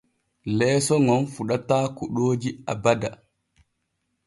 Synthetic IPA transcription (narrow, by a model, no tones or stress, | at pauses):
lɛːsɔŋɔnfuɗataːkuɗoːd͡ʒiabada